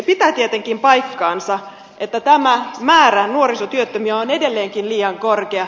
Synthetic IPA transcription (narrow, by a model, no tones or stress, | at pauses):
pit̪æt̪iet̪eŋkimpɑjkːɑːnsɑ | ʔet̪ːæt̪æmæmæːɾænuorisot̪yøt̪ːømyæonedelːeːŋkinliːɑŋkorkeɑ